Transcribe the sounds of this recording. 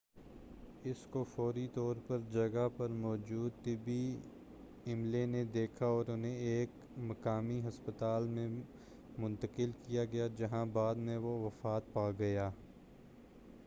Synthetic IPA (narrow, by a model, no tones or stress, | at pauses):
ɪskofɔːɾit̪ɔːɾpɐɾd͡ʒɐɡapɐɾmɔːd͡ʒuːd̪̚t̪ɪbi | ɪmlened̪eːkʰaɔːɾʊnɦẽeːk | mɐkaːmiɦɐspət̪aːlmẽ | mʊ̃nt̪əkɪlkijaɡɐjad͡ʒɐɦãbaːd̪mẽʋoʋɐfaːt̪̚paːɡɐjaː